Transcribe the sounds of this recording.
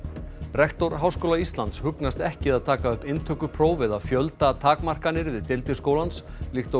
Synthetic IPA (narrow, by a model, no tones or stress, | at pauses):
rɛht̪ɔɾɦawskowlaist̪lant̪shʏknast̪ɛhcɪðaðt̪ʰaːkaœhpɪnt̪ʰœkʏpʰɾoːwvɪðaðfjœlt̪at̪ʰaːkmar̥kanːɪɾvɪðt̪ɪlt̪ɪ̥skoːwlanslixt̪o